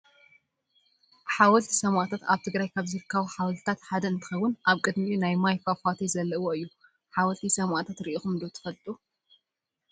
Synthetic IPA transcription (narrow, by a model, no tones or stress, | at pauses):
ħawɐlt̪ʰi̥sɐmʔat̪ʰat̪aβt̪ʰɨɡɾajkʰaβzɨɾɨkʰːɐβuħawɐlt̪ʰt̪ʰat̪ħad̪ɐɨnt̪ʰɨ̥xɐwʊnʔaβkʼɨd̪miunajmajfafat̪ʰezɐlːɐwoɨjːu | ħawɐlt̪ʰisɐmʔat̪ʰat̪ɾiʔixumd̪ot̪ʰɨ̥fɐlt̪ʼu